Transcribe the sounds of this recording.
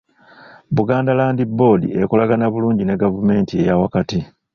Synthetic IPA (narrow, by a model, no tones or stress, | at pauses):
βuɡaːndalaːndibːo̞ːdḭekolaɡanaβuluːɲɟine̞ɡavume̞ːntie̞̰jawakati